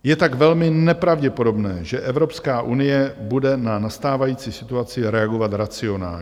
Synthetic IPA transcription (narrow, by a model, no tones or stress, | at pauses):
jɛt̪aɡvɛlmɪnɛpɾavɟɛpo̞do̞bnɛːʒɛʔɛvɾo̞pskaːʔunɪjɛbudɛnanast̪aːvajiːt͡sisɪt̪uat͡sɪɾɛaɡo̞vat̪ɾat͡sɪo̞na̰ː